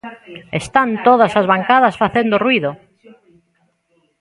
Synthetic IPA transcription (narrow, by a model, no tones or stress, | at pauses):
est̪ant̪oðasazβaŋkaðɐsfaθend̪orwiðʊ